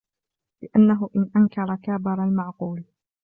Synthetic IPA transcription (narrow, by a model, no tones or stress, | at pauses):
lɪʔanːaɦʊʔɪnʔaŋkɑɾˤɑkaːbɪɾˤɑlmaʕquːl